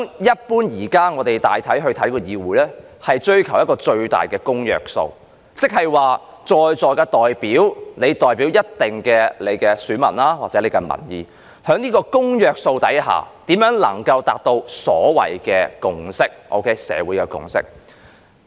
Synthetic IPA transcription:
ŋjɐ˥t̚puː˥njiː˨˩kaː˥ŋɔː˨˧t̪e˨jt̪aː˨jt̪ʰɐ˨˥jɦɵ˧ɥt̪ʰɐ˨˥jkɔː˧jiː˧wuː˨˥jlɛː˥ | hɐ˨jt͡ʃɵ˥ɥkʰɐ˨˩wjɐ˥kɔː˧t͡ʃɵ˧ɥt̪a̰ː˨jkɛː˧kʊ˥ŋjœ̰ː˨k̚so̰˧w | t͡sɪ˥k̚hɐ˨jwaː˨˩ | t͡sɔː˨jt͡sɔː˨jkaː˧t̪ɔː˨jpiː˨˥wne˨˧jt̪ɔː˨jpiː˨˥wjɐ˥t̚t̪ɪ˨ŋkɛː˧le˨˧jkɛː˧syː˨˥nmɐ̰˨˩nlaː˥waː˨t͡sɛː˨˥le˨˧jkɛ˧mɐ̰˨˩njḭː˨˧ | hœː˨˥ŋniː˥kɔː˧kʊ˥ŋjœː˨k̚so˧wt̪ɐ˨˥jɦa̰ː˨˩t̪iː˨˥mjœː˨˥ŋlɐ̰˨˩ŋkɐ˧wt̪aː˨k̚t̪o˧wsɔ̰ː˨˥wɐ̰˨jkɛː˧kʊ˨ŋsɪ˥k̚ʔo̰˧wkʰe˦˥jsɛ̰ː˨˧wuː˨˥jkɛː˧kʊ̰˨ŋsɪ̰˥k̚

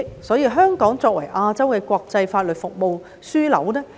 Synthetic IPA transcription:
sɔː˨˥jiː˧ɦœː˥ŋkɔː˨˥ŋt͡sɔː˧k̚wɐ̰˨˩jʔaː˧t͡sɐ˥wkɛː˧kʷɔː˧k̚t͡sɐ˧jfaː˧t̚lɵ˨t̚fʊ˨k̚mo˧w | syː˥lɐ̰˨˥wnɛː˥

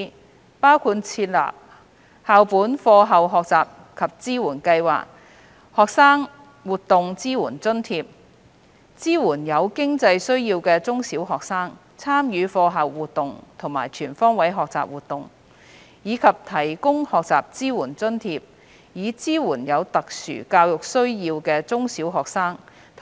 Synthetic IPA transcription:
paː˥wkʰuː˧t̚t͡sʰiː˧t̚la̰ː˨p̚ | haː˨wpuː˨˥nfɔː˧ɦɐ˨wɦɔː˨k̚t͡saː˨p̚ | kʰɐ˨p̚t͡siː˥wuː˨˩nkɐ˧jwa̰ː˨k̚ | hɔː˨k̚saː˥ŋ | wuː˨t̚t̪ʊ˨ŋt͡siː˥wuː˨˩nt͡sɵ˥nt̪ʰiː˧p̚ | t͡siː˥wuː˨˩njɐ˨˧wkɪ˥ŋt͡sɐ˧jsɵ˥ɥjiː˧wkɛː˧t͡sʊ˥ŋsiː˨˥wɦɔː˨k̚saː˥ŋ | t͡sʰaː˥mjyː˨˧fɔː˧ɦɐ˨wːuː˨t̚t̪ːʊ˨ŋt̪ʰʊ˨˩ŋmaː˨˩jt͡ʃʰyː˨˩nfɔː˥ŋwɐ˨˥jɦɔː˨k̚t͡sa̰ː˨p̚wuː˨t̪ʊ˨ŋ | jiː˨˧kʰɐ˨p̚t̪ʰɐ˨˩jkʊ˥ŋhɔː˨k̚t͡saː˨p̚t͡siː˥wuː˨˩nt͡sɵ˥nt̪ʰiː˧p̚ | jiː˨˧t͡siː˥wuː˨˩njɐ˨˧wt̪ɐ˨k̚sy̰ː˨˩kaː˧wjʊ˨k̚sɵ˥ɥjiː˧wkɛː˧t͡sʊ˥ŋsiː˨˥wɦɔː˨k̚saː˥ŋ | t̪ʰ

